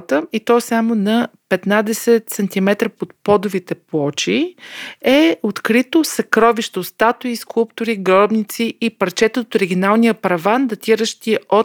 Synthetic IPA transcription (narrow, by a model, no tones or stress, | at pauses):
t̪əit̪ɔsamonɐpɛt̪nad̪ɛsɛt̪sɐnt̪imɛt̪ɾəpot̪̚pɔd̪ʊvit̪ɛplˠɔt͡ʃi | ɛot̪kɾit̪osɐkɾɔviʃt̪ost̪at̪ʊiskulˠpt̪ʊɾiɡɾɔbnit̪siipɐɾt͡ʃɛt̪ət̪oɾiɡʲinalˠnijəpɾɐvand̪ɐt̪ʲiɾəʃt̪iəʔo